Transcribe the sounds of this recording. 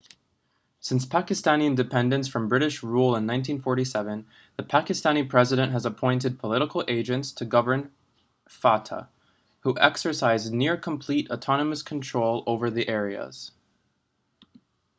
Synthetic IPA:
sɪ̃nspʰækɨstæ̃ñiɨ̃ndɨpʰɛ̃ndɨ̃nsfɹʌ̃mbɹɪɾɨʃɹulˠə̃nːãɪ̃ntʰĩnfɔɹɾisɛvɨ̃n | ðɨpʰækɨstæñipʰɹ̥ɛzɨɾɨ̃nʔɦəzəpʰɔ̃ɪ̃ntɨd̚pʰəlɪɾəkl̩ˠʔeɪd͡ʒɨ̃ntstʰɨɡʌvə˞n | fɑtʰə̰ | huʔɛksə˞saɪznɪɹkʰə̃m̩pʰl̥iɾətʰɑnəmɨskʰn̩tʰɹ̥oʊlˠoʊvə˞ðiʔɛɹiə̰z̥

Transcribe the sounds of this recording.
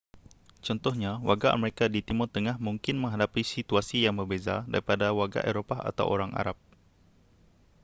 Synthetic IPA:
t͡ʃɔnt̪ɔhɲawa̰rɡaʔa̰meɾikadit̪imɔt̪əŋahmuŋkɪnmə̃ŋɦadapisit̪uasijaŋbərbeza̰da̰ɾipadawaɡa̰ʔeɾopaa̰t̪a̰wʔo̰ɾaŋa̰ɾap̚

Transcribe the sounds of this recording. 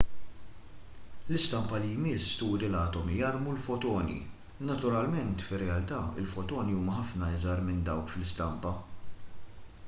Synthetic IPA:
lɪst̪ɐmpɐlijmɪst̪uːɾilɐːt̪ɔmijɐɾmulfɔt̪ɔːnḭ | nɐt̪ʊɾɐlmɛnt̪fɪrːɛɐlt̪ɐɪ̰lfɔt̪ɔːniuːmɐħɐfnɐɪzɐɾmɪnd̪ɐwkflɪst̪ɐmpɐ

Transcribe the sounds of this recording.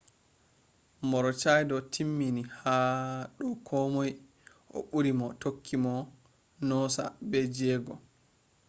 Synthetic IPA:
mɔɾɔt͡ʃajdɔtʰimːinihaɗɔkʰɔmoj | ʔɔ̰ɓuɾimɔtokʰːimɔ | nɔsa̰bɛd͡ʒɛɡɔ

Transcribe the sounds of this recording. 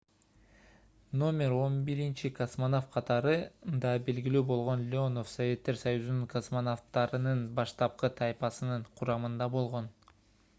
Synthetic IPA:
no̞mʲe̞ɾo̞nbiɾint͡ʃikosmonofqʰɑt̪ɑɾɯnd̪ɑbe̞lɡilyːbo̞lˠʁo̞nlʲɪo̞no̞fsɐvʲe̞t̪ːe̞ɾsɑjuzunuŋkʰosmonoft̪ɑɾɯnɯnbɑʃt̪ɑp̚qɯt̪ʰɑjpɑsɯnɯɴqʰuɾɑmɯnd̪ɑbo̞lˠʁo̞n

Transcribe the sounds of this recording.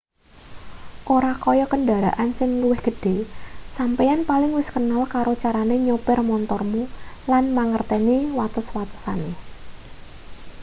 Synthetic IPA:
ʔoɾakɔjɔkənɖaɾa̰ʔansɪŋluwɪhɡ̥ə̤ɖ̥esampejanpalɪŋwɪskənalkaɾot͡ʃaɾaneɲopɪrmɔnt̪ɔrmulanmaŋərt̪ɛniwat̪ʊswat̪ə̥sane

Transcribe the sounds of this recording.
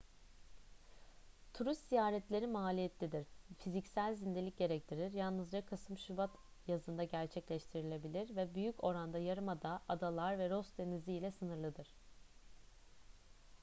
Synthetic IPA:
t̪ʰuɾist̪zijaːɾɛt̪lʲe̞ɾimalʲijɛt̪ʰlʲid̪iɾ̥fizicsælʲzind̪e̞lʲic̚ɟe̞ɾɛc̚t̪ʰiɾiɾjalˠnɯzd͡ʒakʰasɯmʃybat̪jazɯnd̪aɟæɾt͡ʃʰɛclʲɛʃt̪ʰiɾilʲe̞bilʲiɾvɛbyjyco̞ɾand̪ajaɾɯmad̪aʔad̪alˠaɾvɛɾo̞st̪t̪e̞niziːlʲɛsɯnɯɾlˠɯd̪ɯɾ̝̥

